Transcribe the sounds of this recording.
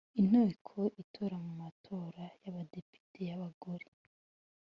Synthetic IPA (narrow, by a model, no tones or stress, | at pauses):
in̥oikʰoʔitʰoɾamumatʰo̞ːɾajaβade̞pi̥tʰe̞jaβaɡoɾe